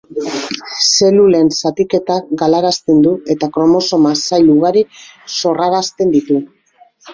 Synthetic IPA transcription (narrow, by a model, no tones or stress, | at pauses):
se̞lule̞nsat̪ike̞t̪aɡalaɾast̪e̞nd̪ue̞t̪akɾo̞mo̞so̞masajluɣaɾiso̞raɾast̪e̞nd̪it̪u